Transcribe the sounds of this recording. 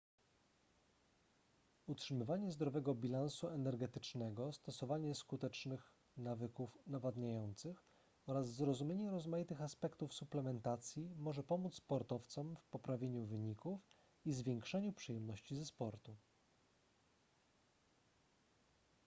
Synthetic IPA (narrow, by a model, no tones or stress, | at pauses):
utʂɘmɘvaɲɛzd̪ɾɔvɛɡɔbʲilansuɛnɛɾɡɛt̪ɘt͡ʂnɛɡɔst̪ɔsɔvaɲɛskut̪ɛt͡ʂnɘx | navɘkufnavad̪ɲajɔnt̪sɘx | ɔɾazzɾɔzumʲeɲɛɾɔzmajit̪ɘxaspɛkt̪ufsuplɛmɛnt̪at̪sʲjimɔʐɛpɔmut̪sspɔɾt̪ɔft̪sɔmfpɔpɾavʲjeɲuvɘɲikuf | izvʲɛŋkʂɛɲupʂɘjɛmnɔɕt͡ɕizɛspɔɾt̪u